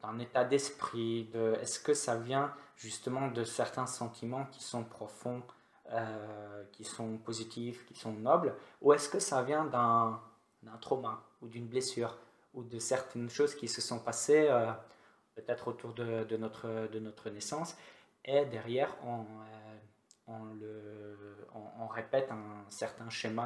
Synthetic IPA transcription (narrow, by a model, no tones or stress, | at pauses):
d̪̥ɛ̃net̪ad̪ɛspχid̪əɛ̰skəsavjɛ̃ʒyst̪əmɑ̃d̪əsɛʁt̪ɛ̃sɑ̃t̪ʰimɑ̃kʲi̥sɔ̃pχɔfɔ̃ | økʲisɔ̃pozit̪ʰifkʲi̥sɔ̃nɔbluɛskəsavjɛ̃d̪ɛ̃ | d̪ɛ̃t̪χomã | ud̪ynblesyːʁ | ud̪əsɛʁt̪ʰɛnʃozkʲisəsɔ̃paseø | pøt̪ɛt̪χot̪uʁd̪əd̪ənɔt̪χəd̪ənɔt̪χənɛsɑ̃s | ed̪ɛʁjɛʁɔ̃ø | ɔ̃lə | ɔ̃ːʁepɛt̪ɛ̃sɛʁt̪ɛ̃ʃəma